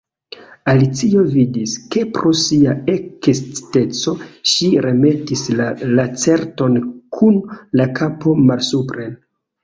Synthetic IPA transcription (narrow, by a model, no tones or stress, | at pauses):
alit͡sio̞vidiske̞pɾosiaekest͡si̥te̞t͡so̞ʃiɾe̞me̞tislalat͡se̞ɾto̞nkʰunlakapo̞malsupɾen